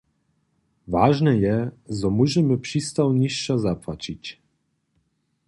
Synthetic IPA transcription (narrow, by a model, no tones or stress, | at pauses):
vaʒnɛjɛzɔmuʑɛmɘpʂist̪awɲiʂːazapwat͡ɕit͡ɕ